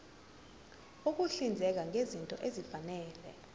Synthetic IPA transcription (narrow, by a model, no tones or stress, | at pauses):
uk̬uɬind͡zʱɛk̬aŋezintʼɔ̰ʔezifanɛːlɛ̰